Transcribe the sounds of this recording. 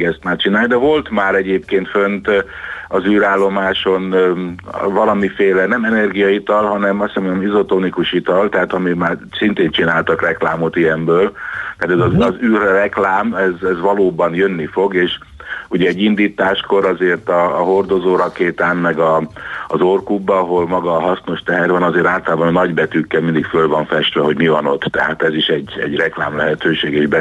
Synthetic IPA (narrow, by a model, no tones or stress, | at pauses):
ɡɛst̪maːrt͡ʃinaːjd̪ɛvo̞lt̪maːɾɛɟeːp̚keːnt̪fønt̪ | ɒzyːɾaːlːo̞maːʃo̞n | vɒlɒmifeːlɛnɛmɛnɛrɡijɒit̪ɒlɦɒnɛmɒst̪sɛmoɛmizo̞t̪oːnikuʃit̪ɒlt̪ɛɦaːt̪ɒmimaːrsint̪eːnt͡ʃinaːlt̪ɒkrɛklaːmo̞t̪ijɛmbøːlt̪ɛat̪ɛzɒzzyːrrɛklaːmɛzɛzʋɒloːbɒnjønːifo̞ɡeːʃ | uɟɛɛɟːind̪iːt̪aːʃko̞ɾɒzeːrt̪ɒːɦo̞rd̪o̞zoːɾɒkeːt̪aːnmɛɡɒːzorkubːɒːɦo̞lmɒɡɒːɦɒsno̞ʃt̪ɛɦɛrvɒnɒzeːɾaːlt̪ɒlaːbɒnnɒɟbɛt̪ykːɛlmind̪ikfølvɒɱfɛʃt̪ʋɛɦo̞ɟmivɒno̞t̪ːɛɦa̰t̪ɛziʃɛɟɛ̰ɟrɛklaːmlɛɦɛt̪øːʃeːɡeːʒbɛ